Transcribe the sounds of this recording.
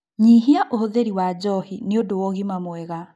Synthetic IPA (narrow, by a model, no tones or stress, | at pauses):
ɲiɦiaʔohoðeɾiwad͡ʒɔhineodowɔɣimamwɛɣa